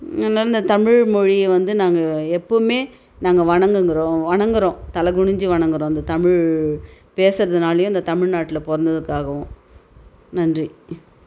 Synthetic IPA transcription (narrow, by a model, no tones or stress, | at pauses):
ɐnːaːlɐɪnd̪ɐt̪ɐmɪɻmɔɻiʋɐnd̪ɯnaːŋɡɐɛpːomeː | naːŋɡɐʋɐɳɐŋɡɯŋɡɪɾõːʋɐɳɐŋɡɯɾõːt̪ɐlɐɡʊɳɪɲd͡ʒɯʋɐɳɐŋɡɯɾõːɪnd̪ɐt̪ɐmɪɻ | peːsɯɾɐðɯnaːlɐjʊ̃ɪnd̪ɐt̪ɐmɪɻnaːʈːɪlɐpɔɾɐnd̪ɐðɯkːaːɣɐʋʊ̃ | nɐndri